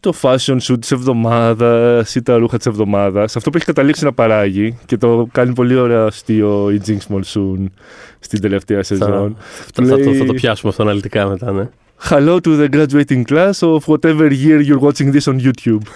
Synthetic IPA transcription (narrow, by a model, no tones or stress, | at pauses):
t̪o̞fɐso̞nsut̪i̥se̞vðo̞mɐðɐsit̪ɐɾuxɐt̪i̥se̞vðo̞mɐðɐsɐft̪oueçi̥kɐt̪ɐliksinɐpɐɾɐʝice̞t̪o̞kɐnip̬o̞lio̞ɾeɐst̪io̞id͡ziŋɡsmolsun | st̪ind̪e̞le̞ft̪e̞ɐse̞zo̞nuleɐiɐɐopçɐsumeɐft̪oɐnɐlit̪ikɐmet̪ɐne | xɐlo̞t̪uðeɡɾɐd͡ʒuejt̪iŋɡklɐsovwɐt̪eveɾʝiɾjuɾɣot͡ʃiŋðisonjut̪jub